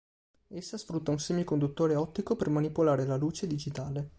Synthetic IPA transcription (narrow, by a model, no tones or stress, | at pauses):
esːasfɾut̪ːaunsɛːɲːokond̪ut̪ːoːɾeɔt̪ːikopermanipolaːɾelaluːt͡ʃed̪id͡ʒit̪aːle